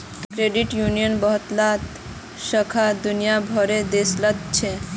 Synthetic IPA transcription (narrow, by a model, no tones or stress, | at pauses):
kɾeɖiʈjunijənbɔɦɔt̪lat̪ | ʃəkʰad̪unijabʱɔɾed̪esləd̪t͡ɕʰe